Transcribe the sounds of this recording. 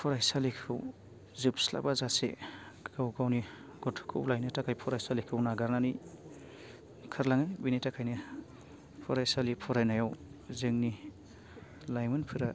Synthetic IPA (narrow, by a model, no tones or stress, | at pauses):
pʰɔɾajsalikʰɯw | zɯp̚sla̰bazasḛ | ɡawɡawni | ɡ̥ɔtʰkʰɯ̰wlajnɯtakʰajpʰɔɾajsalikʰɯwnaɡaɾnanij | kʰaɾlaŋɯbinitakʰajnɯ | pʰɔɾajsalipʰɔɾajnajawzɯŋni | lajmɯnpʰɯɾa